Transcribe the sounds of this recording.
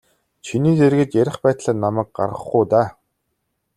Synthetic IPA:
t͡ɕʰiniːt͡serɣɘ̆t͡ɕjæɾʲɪ̆χpæːt̪ɮaːnːamæːk̚ɢa̰rʁə̰̆χɡuːt̪aː

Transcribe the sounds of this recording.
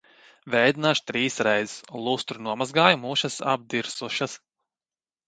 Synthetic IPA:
vʲɛjd̪inaʃt̪ɾiːsɾɛjzislˠust̪ɾunuɔmazɡaːjumuʃasa̰b̚d̪iɾsuʃas

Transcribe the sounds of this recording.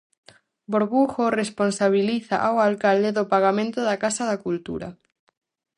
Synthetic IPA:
boɾβuxoresponsaβ̞iliθa̰ʔawalkald̪eðopaɣamẽnt̪ʊðakasaðakult̪ṵɾa̰

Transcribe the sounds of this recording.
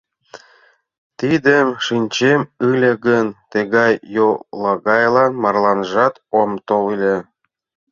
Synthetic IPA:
t̪id̪əmʃinʲt͡ɕemɯlʲeɡənt̪eɣɑjːolɑɣɑjlˠɑnmɑrlɑnʒɑt̪omt̪oilʲe

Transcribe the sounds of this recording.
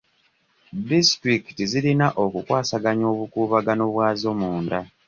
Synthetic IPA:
distɾiki̥tizilinaʔo̞kukwaːsaɡaɲo̞ːβukuːβaɡanoβwaːzo̞muːnda

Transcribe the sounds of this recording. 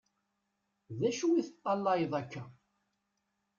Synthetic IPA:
ðæʃuwiθət̪ˤːɑlːɑjðˤækːæ

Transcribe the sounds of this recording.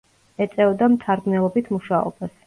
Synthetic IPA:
ɛt̪sʼɛvd̪amt̪ʰaɾɡnɛlˠɔbit̪ʰmuʃaɔ̰bas

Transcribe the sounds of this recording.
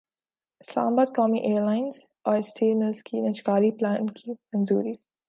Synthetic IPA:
ɪsla̰ːmbaːd̪̚kɔːmiʔeːɾlaːɪ̃nz | ɔːɾɪsʈʰeːnəskʰinɐt͡ʃkaːliplãːnkʰiːmɐ̃nzuːɾi

